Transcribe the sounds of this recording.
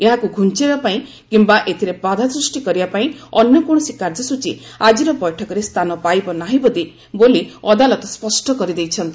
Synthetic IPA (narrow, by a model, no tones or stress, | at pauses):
eɦakuɡʱunt͡ʃibapaĩ | kimbaʔet̪ʰiɾepad̪ʱasɾusʈikɔɾibapaĩɔnjɔkɔɽ̃ɔsikaɾd͡ʒɔsut͡ʃiad͡ʒiɾɔbɔjʈʰɔkɔɾest̪ʰanɔpajbɔnaɦĩbɔd̪i | boliɔd̪alɔt̪ɔspɔsʈɔkɔɾid̪ejt͡ʃʰɔnt̪i